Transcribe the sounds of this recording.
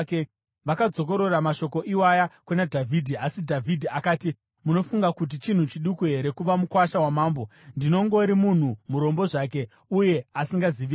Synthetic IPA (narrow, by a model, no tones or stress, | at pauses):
ke | ʋakad͡zo̞k̬o̞ɾo̞ramaʃo̞ko̞ʔiwajakwenadʱavʱidʱiasidʱavʱidʱiakaːti | muno̞fuŋɡakut̬it͡ʃin̤ut͡ʃiɗukuɦe̞ɾe̞kuʋamukwaʃawamaːmbo̞ndino̞ŋɡo̞ɾimun̤umuɾo̞mbo̞ʐak̬e̞ | uje̞asiŋɡaziʋi